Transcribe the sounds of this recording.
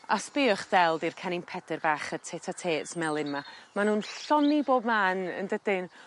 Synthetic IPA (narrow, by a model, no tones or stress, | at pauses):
a̰spɪːʊχdɛlˠdirkʰɛnɪnpʰɛdɪrbaːχətʰeːtʰatʰeːsmɛlˠɪnmamanuːnɬɔniboːb̚maːnə̰ndədɪn